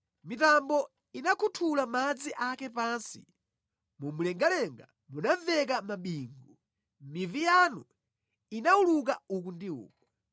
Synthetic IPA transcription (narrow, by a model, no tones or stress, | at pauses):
mitambɔ | inakʰutʰulamad͡ziʔakɛpaːnsi̥̰ | mumulɛŋɡalɛŋɡa | munavɛk̬amaɓiːŋɡu | mivijanu | inauluk̬auk̬undiṵːk̚wa